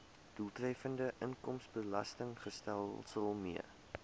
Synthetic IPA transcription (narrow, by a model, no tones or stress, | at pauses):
d̥ulˠtrɛfəndəʔəŋkɔmsbəlɐ̰stəŋχəstælˠsəlˠmḭə